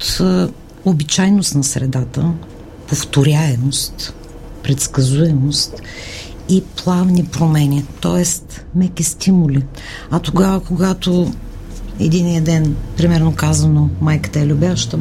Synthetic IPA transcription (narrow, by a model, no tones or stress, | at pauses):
ot̪ | obit͡ʃajnost̪nɐsɾɛ̰d̪at̪ə | poft̪oɾʲaɛmost̪ | pɾɛt̪skɐzuɛmost̪ | iplˠavnipɾomɛnʲit̪ɔ̰ɛst̪ | mɛkʲist̪ʰimulʲi | ɐt̪oɡavəkoɡat̪o | ɛ̰d̪inijəd̪ɛnpɾimɛɾnokazɐnomajkə̥t̪əɛlʲʊbʲjaʃt̪ə